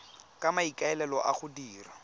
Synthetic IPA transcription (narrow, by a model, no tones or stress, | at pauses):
kʼamaikʼaɛlɛlɔʔaχʊdiːra